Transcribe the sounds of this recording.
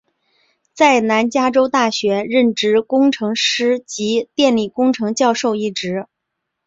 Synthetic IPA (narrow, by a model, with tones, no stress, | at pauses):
t͡sa˥˩ɪna˧˥nt͡ɕja˥ʈ͡ʂo˥ʊt̪a˥˩ɕɥɛ˧˥ɻə˥˩nʈ͡ʂɻ̩˥˩kʊ˥ŋʈ͡ʂʰɤ˧˥ŋʂɻ̩˥t͡ɕi˧˥t̪jɛ˥˧nli˥˩kʊ˥ŋʈ͡ʂʰɤ˧˥ŋt͡ɕjɑ˥˧ʊʂo˥˧ʊi˥˩ʈ͡ʂɻ̩˧˥